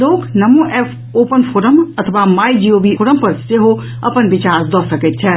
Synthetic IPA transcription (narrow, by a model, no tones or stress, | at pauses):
loːknɐmũʔɛːfʰ | oːpənpʰoːɾəmɐt̪ʰʋaːmaːid͡ʒiːoːbiːfoːɾəmpɐɾseɦo | ɐpənʋɪt͡ʃaːɾd̪ɔːsəket̪t͡ʃʰɛː